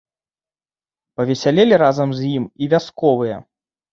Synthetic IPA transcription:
pɐvʲɛsʲalʲelʲiɾazɐmzʲjimivʲaskɔvɨjɐ̰

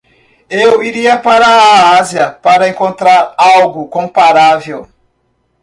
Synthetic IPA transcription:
ewiɾiɐpaɾɐaziɐpaɾɐẽŋkõnt̪ɾaɾawɡʊkõpaɾavew

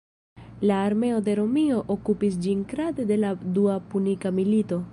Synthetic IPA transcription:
laːɾme̞o̞de̞ɾo̞mio̞ʔokupis̬d͡ʒinkɾade̞de̞laduapunikamilito̞

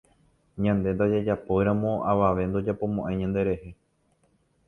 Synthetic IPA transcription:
ɲãnd̪e̞nd̪ad͡ʒad͡ʒapojɾãmõ̞aʋaʋe̞nd̪od͡ʒapo̞mõʔãj̃ɲãnd̪e̞ɾe̞he̞

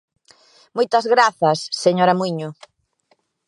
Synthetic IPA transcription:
mojt̪ɐzɣɾaθɐsːeɲoɾɐmuiɲʊ

